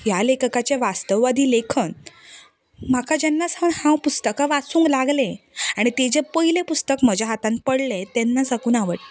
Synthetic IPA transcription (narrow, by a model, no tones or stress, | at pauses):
jalekkat͡ɕeʋast̪əʋːad̪ʱiːlekʰən | m̤akʰad͡ʑɛnːasãnhãwpust̪əkaʋat͡suːŋklaɡlẽaɽ̃it̪ed͡ʑepəɦilepust̪əkməd͡ʑaɦat̪ãn̚pəɽlet̪ɛnːasakuːnaʋəʈ